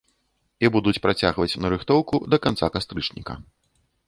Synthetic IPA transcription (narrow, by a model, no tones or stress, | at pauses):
ibud̪ut͡sʲpɾat͡sʲaɣvɐt͡sʲnɐɾɨxt̪ɔwkud̪ɐkant̪sakast̪ɾɨt͡ʂnʲḭkɐ̰